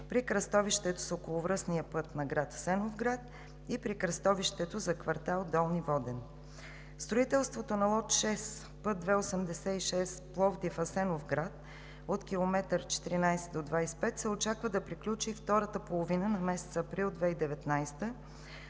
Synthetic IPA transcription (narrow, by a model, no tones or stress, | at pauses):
pɾikɾɐst̪ɔviʃt̪ɛt̪o̥sokolˠovɾɤsnijəpɤt̪nɐɡɾat̪ɐ̥sɛnovɡɾat̪̚ | ipɾikɾɐst̪ɔviʃt̪ɛt̪ozɐkvɐɾt̪alˠd̪ɔlˠnivɔd̪ɛn | st̪ɾoit̪ɛlˠst̪vot̪onɐlˠɔt̪ʃɛs | pɤt̪̚d̪vɛosəmd̪ɛsɛiʃɛsplˠɔvd̪ifɐsɛnofɡɾat̪̚ | ot̪kʲilˠomɛt̪əɾt͡ʃɛ̥t̪iɾinajsɛt̪d̪od̪vajspɛt̪sɛot͡ʃakvəd̪ɐpɾiklʲut͡ʃift̪ɔɾət̪əpolˠovinənɐmɛsɛ̥t̪səːpɾilˠd̪vɛid̪ɛvɛt̪najst̪ə